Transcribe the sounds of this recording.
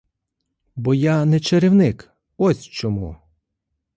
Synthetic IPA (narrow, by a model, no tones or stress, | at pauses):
bɔjanɛt͡ʃeɾɪwnɪk | ɔsʲt͡ʃɔmṵ